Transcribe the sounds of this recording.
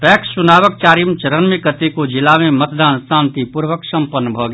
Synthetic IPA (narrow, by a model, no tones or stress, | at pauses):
pɛːksːʊnaːʋək̚t͡ʃaːɾimt͡ʃəɾənmikət̪ikod͡ʒɪlamẽmət̪d̪aːnsãːnt̪ipuɾʋəksɐ̃mpənːbʱoːɡ